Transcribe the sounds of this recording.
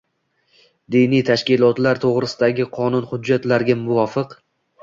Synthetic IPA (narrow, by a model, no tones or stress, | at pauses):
d̪inijt̪ʰaʃkʲɪlˠɒt̪laɾt̪ʰoʁɾɪsɪd̪aɡʲɪqʰɒnʊnhʊd͡ʒːat̪laɾɡʲamʊvɒfɨq